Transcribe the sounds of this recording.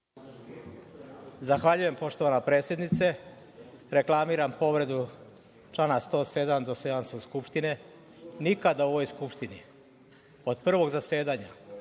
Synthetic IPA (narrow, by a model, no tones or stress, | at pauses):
zaxʋaʎuje̞mpo̞ʃt̪o̞ʋanapɾe̞ːt̪sje̞d̪nit̪se̞ | ɾe̞klamiːɾampo̞ʋɾe̞d̪u | t͡ʃlaːnast̪o̞ːse̞d̪amd̪osejanst̪oskupʃt̪ine̞ | nikad̪aoʋojskupʃt̪ini | od̪pr̩ʋo̞ɡzase̞ːd̪aɲa̰